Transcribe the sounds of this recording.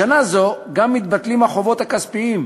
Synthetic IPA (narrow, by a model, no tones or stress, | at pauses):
anazo̞ɡamːit̪̚bat̪limhaχo̞vo̞t̪hakaspiim